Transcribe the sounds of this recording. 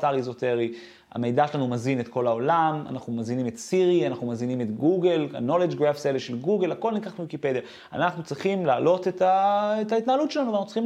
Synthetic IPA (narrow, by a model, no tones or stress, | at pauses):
taʁizo̞te̞ʁi | a̰me̞jd̪aʃelanumazinetko̞lao̞lama̰naχnumazinimetsiʁianaχnumazinimetɡuɡela̰no̞led͡ʒɡʁafseleʃelɡuɡelhako̞lnikaχtnuwikiped̪ija | a̰naχnut͡sʁiχimlaːlo̞tetaetait̪naːlutt͡ʃelanuvanaχnut͡sʁiχi